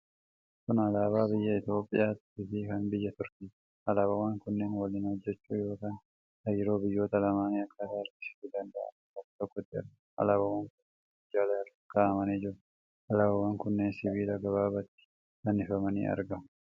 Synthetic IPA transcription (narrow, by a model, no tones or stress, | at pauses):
kʊnɐlaːbaːbɪjːɐɪt̪jo̞ːpʼːɪ̰jaːt̪ɪfɪkɐnbɪjːɐt̪ʊɾk̪iː | ɐlaːbɐwaːŋkʊnːenwɐlɪnhɔd͡ʒːɛt͡ʃːuːjo̞ːkaːn | hɐjɪɾo̞ːbɪjːo̞ːt̪ɐlɐmaːniɐkʰʼːɐd̪aɾt̪ɪ̥sɪ̥t̪ːɪd̪ɐnd̪ɐ̰ʔɐ̰t̪ɔkːt̪ɔkːɔt̪ːɪɛ̰ɾ | ʔɐ̰laːbɐwaːŋkʊnːenɪd͡ʒːaːlɐɾ | kaʔɐmɐnid͡ʒɪɾɐ | ʔɐlaːbɐwaːŋkʊnːeːnsɪbiːlɐɡɐβaːbɐt̪ːɪ̥ | kɐnɪfɐmɐnḭːɐ̰ɾɡɐm